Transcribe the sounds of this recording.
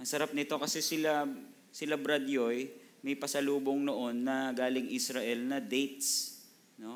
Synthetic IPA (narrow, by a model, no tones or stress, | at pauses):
ʔɐŋsɐɾap̚nɪt̪o̞kɐsɛsɪla | sɪlabɾɐd̪jojmɐjpɐsɐluːboŋnoʔo̞nːɐɡaːlɪŋʔisɾɐʔɛlnɐd̪ɛjt̪̚s | no̞